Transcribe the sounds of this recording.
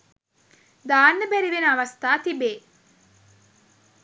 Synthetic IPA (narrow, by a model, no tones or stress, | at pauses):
d̪aːnːəbæɾiʋenɐʋɐst̪aːt̪ibeː